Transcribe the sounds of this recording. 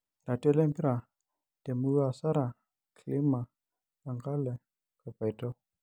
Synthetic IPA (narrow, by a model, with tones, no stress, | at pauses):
da˨ti˦ɔ˦lɛ˦mpi˦ɾa˨ | te˨mu˦a˨sa˦ɾa˨ | kʰli˦ma˨ | la˨ŋɡa˦lɛ˨ | ka˨pa˨i˨tɔ˦